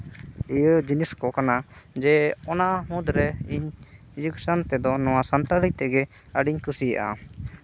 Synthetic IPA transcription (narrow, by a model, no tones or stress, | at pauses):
ijəd͡ʒiniskɔkanad͡ʒɛɔnaʔɦũd̪ɾɛiɲ | d͡ʒuksant̪ɛd̪ɔnɔwasant̪aɽit̪ɛɡɛ | əɖiɲkusija̰ʔa̰